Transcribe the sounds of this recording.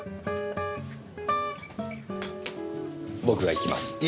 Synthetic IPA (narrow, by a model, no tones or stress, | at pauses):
bo̞kɯ̟βaikʲima̰sɨ̥